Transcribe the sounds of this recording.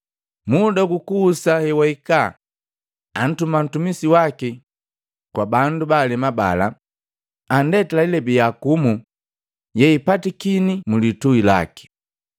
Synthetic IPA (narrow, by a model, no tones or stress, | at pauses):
mudakukuːsahɛwaika̰ | an̩tuman̩tumisiwaki | kwabandubaːlɛmaba̰la̰ | andɛtilailɛbijakumu | jɛipatikinimulituila̰ki̥